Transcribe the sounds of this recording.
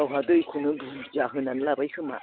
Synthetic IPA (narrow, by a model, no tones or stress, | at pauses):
awɦadojkʰunɯbuzaɦɯnanɯlabajhʰɯma̰